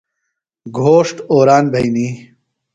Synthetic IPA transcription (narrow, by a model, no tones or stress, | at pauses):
ɡʱoːʂʈoːɾaːnbʱɐjniː